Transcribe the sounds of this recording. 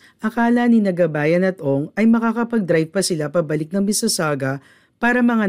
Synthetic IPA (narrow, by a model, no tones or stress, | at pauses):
ʔɐkaːlɐninɐɡɐbaːjɐnɐt̪ʔo̞ŋɐjmɐkakɐpɐɡ̚d̪ɾajvpɐsɪlapɐbɐlɪk̚nɐŋmɪsɐsaːɡɐ | paːɾɐmɐŋa